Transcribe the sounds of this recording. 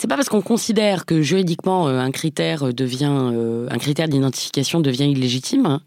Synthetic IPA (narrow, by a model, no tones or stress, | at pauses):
sɛpapaʁsə̥kɔ̃kɔ̃sid̪ɛʁkəʒyʁid̪ikmɑ̃øɛ̃kχit̪ɛʁød̪əvjɛ̃øɛ̰̃kχit̪ɛʁd̪id̪ɑ̃t̪i̥fi̥kasjɔ̃d̪əvjɛ̃ilːeʒit̪ʰim